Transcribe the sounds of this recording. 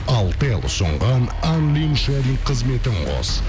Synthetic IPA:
ɑlˠt̪elˠsʊ̰ɴʁɑn | anlʲinʃad̪ʲiqʰəzme̞t̪ɪɴqʰo̰s

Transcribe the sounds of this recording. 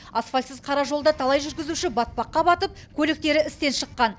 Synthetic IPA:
ɑsfɑlʲsɪzqʰɑɾɑʒo̞lˠd̪ɑt̪ʰɑlˠɑjʒʏɾɡʲɪzuʃɪbɑt̪̚pɑqːɑbɑt̪əp̚kʲʰɵlek̚t̪e̞ɾɪɪst̪e̞nʃəqːɑn

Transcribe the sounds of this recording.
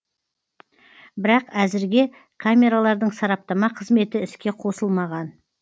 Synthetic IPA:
bɪɾɑqæzɪɾɡʲe̞ | kʰamʲe̞ɾalˠɑɾd̪əɴsɑɾɑp̚t̪ɑmɑqʰəzme̞t̪ɪɪskʲe̞qʰo̞səlˠmɑʁɑn

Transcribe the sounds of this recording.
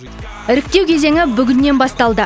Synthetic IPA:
ɪɾɪk̚t̪e̞wkʲʰe̞ze̞ŋɪbʏɡʲɪnːe̞nbɑst̪ɑlˠd̪ə

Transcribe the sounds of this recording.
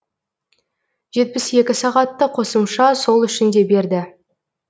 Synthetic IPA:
ʒ̥e̞t̪̚pɪsje̞kʲɪsɑʁɑt̪ːəqʰo̞səmʃɑso̞lˠʏʃɪnd̪e̞be̞ɾd̪ɪ

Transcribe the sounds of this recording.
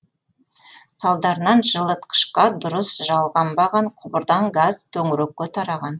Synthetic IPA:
sɑlˠd̪ɑɾənɑnʒəlˠət̪qʰə̥ʃqɑd̪ʊɾəsʒɑlˠʁɑmbɑʁɑɴqʰʊbəɾd̪ɑŋɡaz̥t̪ʰɵŋɾɵk̚kʲːet̪ʰɑɾɑʁɑn

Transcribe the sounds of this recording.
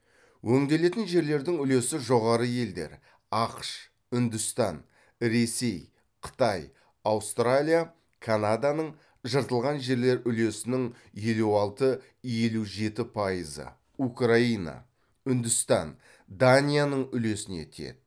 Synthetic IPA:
wʔɵŋd̪e̞le̞t̪ɪnʒe̞ɾle̞ɾd̪ɪŋʏle̞sɪʒo̞ʁɑɾəje̞ld̪e̞̰ɾ | ɑqʃ | ʏnd̪ʊst̪ɑn | ɾe̞se̞j | qʰə̥t̪ɑj | awst̪ralʲija | kʰanad̪anəɴ | ʒəɾt̪əlˠʁɑnʒe̞ɾle̞ɾʏle̞sɪnɪŋ | je̞luɑlˠt̪ə | je̞luʒe̞t̪ɪpʰɑjəzə̰ | ukraina̰ | ʏnd̪ʏst̪ɑ̰n | d̪anʲijanəɴʏle̞sɪne̞̰t̪ʰḛt̪̚

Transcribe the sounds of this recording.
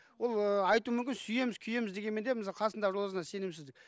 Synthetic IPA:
wolˠəɑjt̪umʏmkʲɪnsʏje̞mɪz̥kʲʰʏje̞mɪzd̪eɡʲe̞nme̞nd̪emɪsɑlˠqʰɑsənd̪ɑʒolˠəsənɑse̞nɪmsɪzd̪ɪk̚ʲ

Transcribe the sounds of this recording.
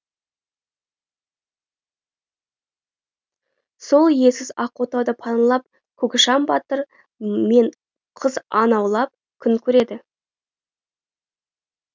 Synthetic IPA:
so̞lˠje̞sɪzɑqot̪ɑwd̪əpʰɑnlˠɑp̚ | kʲʰɵkʲɪʃɑmbɑt̪əɾ | me̞ɴ | qʰəzɑnɑwlˠɑp̚ | kʲʰʏŋkʲʰɵɾe̞d̪ɪ

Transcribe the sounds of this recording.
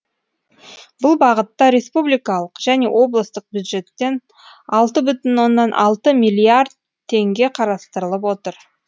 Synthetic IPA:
bʊlˠbɑʁət̪ːɑɾe̞spublijkɑlˠəqʒ̥æne̞wʔo̞blˠəst̪əq̚bʲjud̪ʒe̞t̪ːe̞n | ɑlˠt̪əbʏt̪ɪnwo̞nːɑnʔɑlˠt̪əmijlʲiaɾd̪̚ | t̪ʰːe̞ŋɡʲe̞qʰɑɾɑst̪əɾəlˠəp̬wo̞t̪əɾ

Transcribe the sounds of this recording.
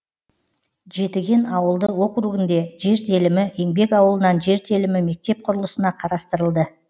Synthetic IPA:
ʒe̞t̪ɪɡʲe̞nɑwəlˠd̪əwo̞qɾuɡʲɪnd̪e̞ʒe̞ɾt̪ʰe̞lɪmɪe̞ŋbe̞kɑwəlˠənɑnʒe̞ɾt̪ʰe̞lɪmɪme̞k̚t̪e̞p̚qʰʊɾəlˠəsənɑqʰɑɾɑst̪əɾəlˠd̪ə

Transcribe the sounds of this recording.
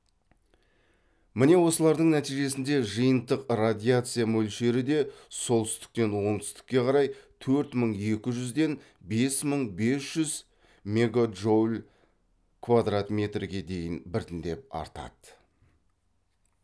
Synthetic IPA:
mɪne̞wo̞səlˠɑɾd̪əɴnæt̪ijʒe̞sɪnd̪e̞ʒəjənt̪əqrad̪ʲijat̪sɨjamɵlʃe̞ɾɪd̪e̞so̞lˠt̪ʏ̥st̪ɪ̥k̚t̪e̞nwo̞ɴt̪ʏ̥st̪ɪ̥kʲːe̞qʰɑɾɑjt̪ʰɵɾt̪məɴe̞kʲɪʒʏzd̪e̞n | be̞sməɴbe̞sʒ̥ʏz | me̞ɡoʒolʲ | kʰvad̪rat̪mʲe̞t̪rɡʲe̞d̪e̞jɪnbɪɾt̪ɪnd̪e̞p̚ɑ̰ɾt̪ɑ̰d̪̥ə

